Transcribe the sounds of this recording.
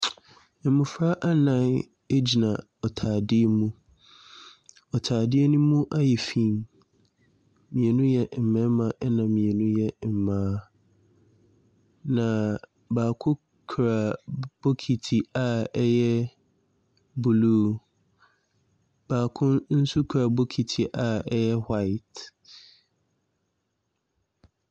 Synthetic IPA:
m̩˨mũ˨fɾa˦ʔa˦nã˦˨n | e˦d͡ʑi˨nã˨ | ɔ˨tʰaː˨dɪ˦e˦mũ˦ | ɔ˨tʰaː˨dɪ˦e˦nũ˦mũ˦ʔa˦jɛ˨fĩ˦˨m | mĩ˨e˨nũ˦jɛ˨m̩˨mɛ̃˦mã˨ʔɛ˦nã˨ĩ˨e˨nũ˦jɛ˦m̩˨mãː˨˦ | nã˨ | baː˨kʰʊ̃˦ | kʰɾa˨b̥o˦kʰi˨tʰi˨a˨ɛ˦jɛ˦ | bu˨luː˦ | b̥aː˨kʰʊ̃˦nn̩˦su˦kʰɾa˨bo˦kʰi˨tʰi˨ʔa˨ɛ˦jɛ˦ha˦ɪ˨t

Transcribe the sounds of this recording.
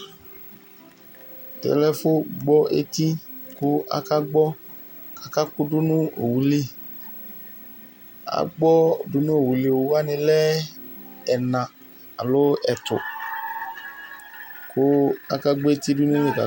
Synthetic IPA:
kɛ̰˨lɛ˦fo˦ɡ͡bɔ˦ḛ˦t̪i˦kʊ˦a̰˦ka˦ɡ͡bɔ˦ | kḁ˨ka˦kʊ˦du˦nũ˦o˨wu˨˦li˦ | a̰˨ɡ͡bɔ˦˨du˦nũ˦o˦˨wu˨li˦o˨wu˦a˦nĩ˧lɛ˦ | ɛ˨nã˨ | a˨lo˦ɛ˨tʊ̰˨ | kʊ˦a˦ka˦ɡ͡bo˦e˦t̪i˦du˦nũ˦nĩ˦˨ka̰˨

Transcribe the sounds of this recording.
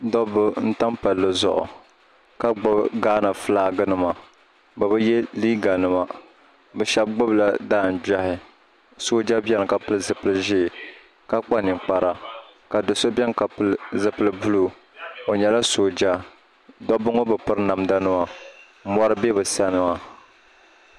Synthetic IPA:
dɔ˦bʊ˦n̩˦ta˦mpa˨lːɨ˨zʊ̰˨ʔʊ̰˨ | ka˦ɡ͡bʊ˦bɡaː˦na˨flaː˦ɡɨ˦nɨ˦ma˨ | ba˨bɨ˦jɛ˦liː˦ɡa˨nɨ˦ma˨ | bɛ˨ʃɛ˦b̚ɡ͡bʊ˦bla˨daː˦˨n̩˨ba˦hɪ˨ | so˦d͡ʒa˦bɛ˦n˨ka˨pɨ˦lɨ˦zɨ˨pɨ˦lɨ˦ʒi˦˨ | ka˦k͡pa˦nɨ˨ŋk͡pa˨ɾa˨ka˨dɨ˨so˦bɛ˦ŋ˦ka˨plzɨ˨pɨ˦lɨ˨bu˦lu˨ | o˨ɲɛ˨la˦soː˨d͡ʒa˦ | dɔ˦bʊ˦ŋo˦bɨ˨pɨ˦ɾɨ˦na˨mda˦nɨ˦ma˨˦ | mɔ˦ɾɨ˦be˦bɨ˨sa˦nɨ˨ma˦

